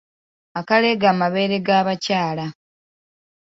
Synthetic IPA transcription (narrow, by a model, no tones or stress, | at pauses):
akale̞ɡaːmaβe̞ːɾe̞ɡaːβacaːla